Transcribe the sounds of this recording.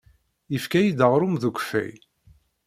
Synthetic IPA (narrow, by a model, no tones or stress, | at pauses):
jəfkæjid̪əʁɾˤumðuɡʷfæ̰j